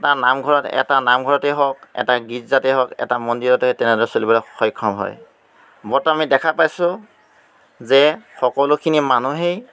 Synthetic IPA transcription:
tanamɡʱɔɹɔtɛ̰tanamɡʱɔɹɔteɦɔkɛ̰taɡizateɦɔkɛ̰tamɔndiɹɔtɛɦɔjtɛnɛdɔɹɛsolibɔlɔxɔjkʰːɔmɦɔ̰j | bɔtɔamidɛkʰapajsʊ | zɛxɔkɔlʊkʰinimanuɦej

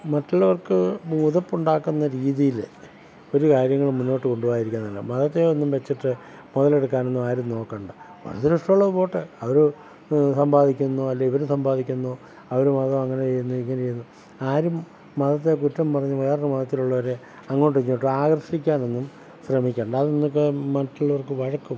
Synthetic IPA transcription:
mɐtːuɭːɐʋɐrkɨmuːðɐpːuɳɖaːkːunːɐɾiːðijil | o̞ɾukaːɾjɐŋːɐɭmunːo̞ːʈːɨko̞ɳɖuʋaːjiɾikʲːunɐːɐlːɐ̰mɐðɐt̪ːejonːumʋet͡ɕːiʈːɨ | muðɐle̞ɽukːaːnenːumaːɾumno̞ːkːɐːɳɖɨ | ɐ̰rɐt̪iɾuʂʈuɭːɐðupo̞ːʈːɨɐʋɐɾu | sɐmbʱaːd̪ikʲːunːoɐlːɐiʋɐɾusɐmbʱaːd̪ikʲːunːoː | ɐʋɐɾumɐðɐmɐŋːɐneejunːuiŋːɐnet͡ɕejunːu | aːɾumː | ɐðɐt̪ːek̬utːɐmpɐrɐɲːumɐjaːɾnɐmɐðɐt̪ːiluɭːɐʋɐɾe̞ | ɐŋːoːʈuiɲːoːʈːɨaːɣrɐʂikʲːaːne̞nːum | ɕrɐmikʲːeːɳɖɐðɨnnːok̬ːemɐtːuɭːɐʋɐrkːɨʋɐɻɐkːum

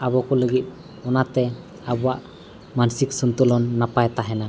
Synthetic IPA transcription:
abɔkɔləɡit̪̚ˀ | ɔnat̪ɛ | abɔaʔ | mansik̚sunt̪ɔlɔnːapajt̪aɦɛna

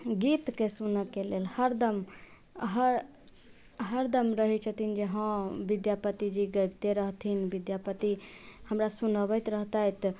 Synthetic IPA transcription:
ɡit̪kesunəkːelelhəɾd̪əm | ɦəɾ | ɦəɾd̪əmɾəɦɛt͡ʃʰət̪ʰind͡ʒeɦə̃bid̪japət̪id͡ʒiɡəbt̪eɾəɦt̪ʰinbid̪japət̪ihəmɾasunəbət̪ɾəɦt̪əjt̪

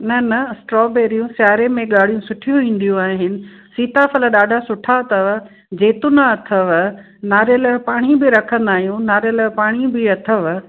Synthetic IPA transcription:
nɐnɐsʈɾɔːbeːɾijũʃaːɦɾemẽɠaːɽ̤ijũsʊʈʰijũʋĩːn̆d̪ijũaːɦɪnɪ̆siːt̪afɐləɗaːɖʱasʊʈʰat̪ʰəʋ | d͡ʑeːt̪unaɐt̪ʰəʋ | naːɾəlpaːɽ̃ibɪɾɐkʰə̃nd̪aːɦijũnaːɾəlpaːɽ̃ibɪɐt̪ʰəʋ

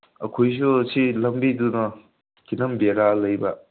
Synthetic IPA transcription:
ɐkʰojs̬usilɐmbidunɐ | kinɐmbeɾalɐjbɐ

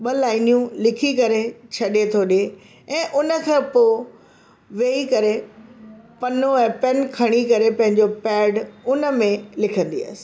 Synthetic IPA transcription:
ɓɐlaːɪnijũlɪkʰikɐɾet͡ɕʰɐɗet̪ʰoɗe | ɛ̃ːʔʊnə̆kʰẽːpoː | ʋeːikɐɾe | pɐnoɛ̃ːpɛnkʰɐɽ̃ikɐɾepɐ̃ɦɪ̃ɲd͡ʑopɛːɖʊnə̆mẽlɪkʰə̃nd̪ia̰sɪ̥

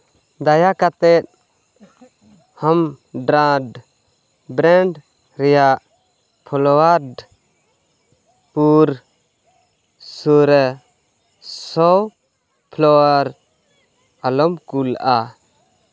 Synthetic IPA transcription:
d̪ajakat̪ɛt̪̚ | ham | ɖɾãɖ | bɾɛɳɖ | ɾɛjaʔ | pʰɔlɔaɖ | puɾ | suɾɛ | sɔw | pʰlɔaɾ | alɔmkula

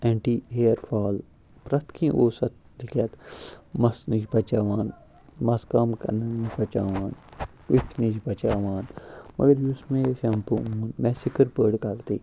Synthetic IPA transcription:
ẽːɳʈiːɦeːɾfʰaːl | pɾɐt̪kʰĩʔoːsɐt̪̚d̪ikʰaːt̪mɐsnid͡ʒbɐt͡ʃaːʋaːn | mɐskaːmkɐ̰nɐnid͡ʒbɐt͡ʃaːʋaːn | wikʰnid͡ʒbɐt͡ʃaːʋaːnmʔɐ̰ɡɐɾjusmẽʃampuuːnmɛsikɐɾpəːɖkaːkt̪iː

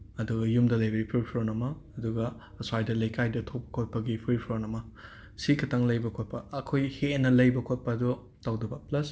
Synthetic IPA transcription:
ɐduɡɐjumdɐlɐjbɐɡipʰiɾpʰɾonɐmɐːduɡɐ | ɐswajdɐlɐjkajdɐtʰopɐ̥kʰot̚pɐɡipʰɾipʰɾonɐmɐ | sikʰɐtʰɐŋlɐjbɐkʰot̚pɐɐkʰojhenɐlɐjbɐkʰot̚pɐdu | tawdɐbɐplɐs

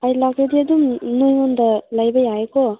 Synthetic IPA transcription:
ajlaɡediadumnɯjŋɔndalajbɐjaekɔ

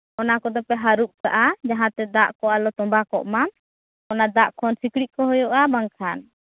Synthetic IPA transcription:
ɔnakɔd̪ɔpɛɦaɾup̚kaʔad͡ʒaɦãt̪ɛd̪aʔkɔalɔt̪ɔmbakɔʔma | ɔnad̪aʔkʰɔnsikɽiʔ̪̚kɔɦɔjɔʔabaŋkʰan

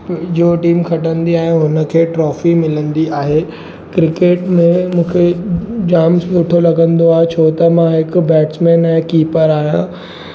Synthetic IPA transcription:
d͡ʑoːʈiːmxʰɐʈə̃nd̪iaːɦeɦʊnə̆kʰeːʈɾɔːfimɪlə̃nd̪iaːɦeː | kɾɪkeːʈmẽmũːkʰed͡ʑaːmsʊʈʰolɐɡə̃nd̪oaːɦet͡ɕʰoːt̪ɐmãɦɪkʊbɛːʈsmɛ̃ːnɛ̃ːkiːpəɾaːɦijã̰

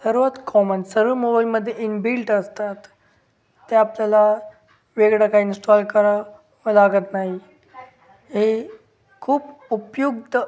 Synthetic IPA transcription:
səɾʋət̪kɔmənsəɾʋəmobailməd̪ʱːjeʔinbilʈəst̪at̪ː | aapljala | ʋeɡɽakaɦiːnsʈɔlkəɾa | ʋəlaɡət̪naɦi | ɦe | kʰuːpupjuɡt̪

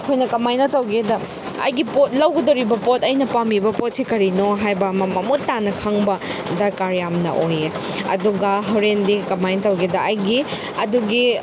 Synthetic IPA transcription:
kʰojnɐkɐmajnɐtɐwɡedɐ | ɐ̰jɡipot̚lɐwɡɐdoɾibɐpotɐjnɐpamibɐpot̚sikɐɾinoɦajbɐmɐmɐmutːanɐkʰɐŋbɐdɐɾkaɾjamnɐ̰ʔoje | ɐ̰duɡɐɦɐwɾendikɐmajnɐtɐwɡedɐɐjɡi | ɐduɡi

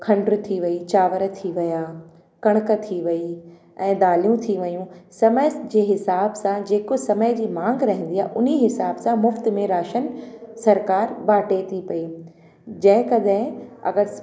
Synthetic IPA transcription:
kʰɐ̃ɳɖɾt̪ʰiʋɐit͡ɕaːʋəɾt̪ʰiʋɐjaː | kɐɽ̃ʊkət̪ʰiʋɐi | ɛ̃ːd̪aːlijũt̪ʰiʋɐjũsɐməjsd͡ʑeːɦɪsaːbsãd͡ʑeːkosɐməjd͡ʑiːmãːŋɡɾɐɦɪ̃nd̪ijaːɦʔʊniɦɪsaːbsãmʊft̪̆mẽɾaːʃənsɐɾkaːɾbaːʈet̪ʰipɐi | d͡ʑɐ̃ɦɪ̃kɐɗɦɪ̃ɐ̰ɡəɾ

